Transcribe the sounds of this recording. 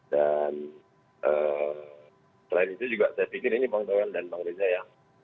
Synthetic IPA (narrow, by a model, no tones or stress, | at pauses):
dan | ʔəː | səlainit̪ud͡ʒuɡaʔsajapikɪɾinibaŋt̪awandanbaŋɾed͡ʒaja